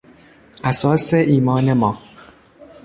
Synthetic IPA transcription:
ʔæsɒːseʔiːmɒːnemɒː

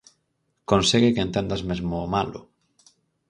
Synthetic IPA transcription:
konseɣekeent̪end̪azmezmoːmalʊ̰

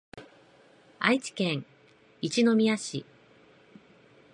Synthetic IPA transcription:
ait͡ɕi̥kẽ̞ŋ | it͡ɕino̞mʲiaɕḭ

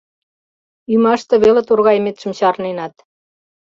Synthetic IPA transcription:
ymɑʃt̪ɤ̆βelĕt̪urɣɑjmet̪ʃə̆mɕɑrnenɑt̪

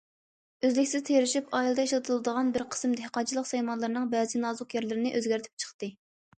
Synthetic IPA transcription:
øzlɪkʲsɪzt̪ʰeɾɪʃipʰɑilˠɨd̪ɑeʃlˠɨt̪ʰɨlˠɨd̪əʁɑnbɪɾqʰə̥smd̪ɪhqʰɑt͡ʃʰilˠəqsɛjmɑnlˠɑɾnɨŋbɛːzɨnɑːzʊqjæɾlɪɾɪnɪʔøzɡʲæɾt̪ʰɪ̥p̚t͡ʃʰə̥χt̪ɨ

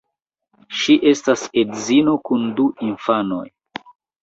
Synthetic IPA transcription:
ʃiʔe̞stasedzino̞kunduinfano̞̰j

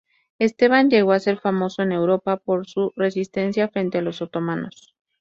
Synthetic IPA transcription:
e̞st̪e̞βand͡ʒe̞ɣo̞ase̞ɾfamo̞so̞e̞ne̞wɾo̞papo̞ɾsure̞sist̪e̞nsjafɾe̞nt̪e̞alo̞sot̪o̞mãno̞̰s

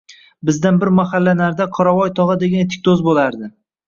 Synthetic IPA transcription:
bɪzd̪anbɪɾmaχalːanaɾd̪aqʰɒɾavɒjt̪ʰɒʁɨd̪e̞ɡʲanet̪ʰɪ̥k̚ʲd̪ozbolaɾd̪ɪ

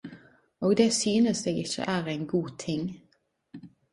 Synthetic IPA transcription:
oːɡd̪eːsyːnəsd̪eːɡɪçə̰ʔæːʁɛɪnɡuːt̪ʰɪŋ

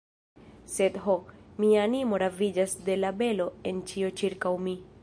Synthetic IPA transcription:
se̞dɦomiaːnimo̞ɾavid͡ʒasde̞labe̞lo̞e̞nt͡ʃio̞t͡ʃiɾkawmi

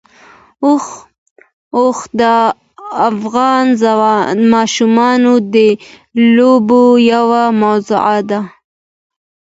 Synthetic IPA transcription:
oxd̪ə | afɣɑnzanmɑʃumɑnod̪ə | lobojawamawzʊ̰ʕad̪a

